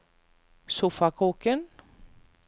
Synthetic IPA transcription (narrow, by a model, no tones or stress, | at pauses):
sufakʰoːkən